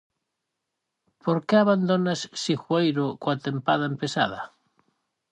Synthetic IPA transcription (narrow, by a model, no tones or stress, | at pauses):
poɾkeaβand̪onasːixwejɾokoat̪empað̞aempesa̰ða